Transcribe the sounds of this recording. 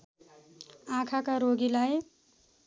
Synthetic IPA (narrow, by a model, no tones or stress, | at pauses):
ãkʰakaɾoɡilaj